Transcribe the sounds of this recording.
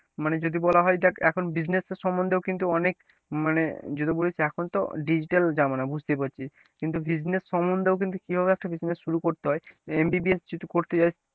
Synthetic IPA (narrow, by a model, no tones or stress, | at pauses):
maned͡ʑod̪ibɔlaɦɔjd̪ɛkɛkʰonbid͡ʑneseɾʃɔmond̪ewkint̪uɔnek | maned͡ʑod̪ibolet͡ɕʰeɛkʰont̪o̰ɖid͡ʑiʈald͡ʑamonabʱud͡ʑʱt̪epaɾt͡ɕʰi | kint̪ubid͡ʑnesːɔmond̪eokint̪̬ukibʱabeɛk̚ʈabid͡ʑnesʃuɾukoɾt̪eɦɔeembibiesd͡ʑit̪ukoɾt̪et͡ɕajʰ